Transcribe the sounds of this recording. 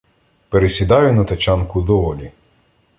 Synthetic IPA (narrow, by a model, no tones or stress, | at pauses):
peɾesʲid̪ɑjʊnɐt̪ɐt͡ʃɑnkʊd̪ɔʋɔlʲi